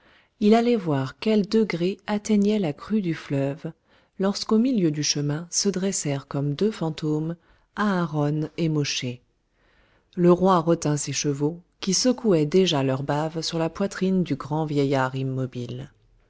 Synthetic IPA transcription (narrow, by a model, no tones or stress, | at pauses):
ilalɛvwaʁkʲɛld̪əɡʁeat̪ɛɲɛlakχyd̪yflœv | lɔʁskomiljød̪yʃəmɛ̃səd̪ʁɛsɛʁkɔmd̪øfɑ̃t̪om | aɛ̃ʁɔnemɔʃe | ləʁwaʁət̪ɛ̃seʃəvokʲisəkuɛd̪eʒalœʁbavsyʁlapwat̪χind̪yɡʁɑ̃vjɛjaʁimːɔbil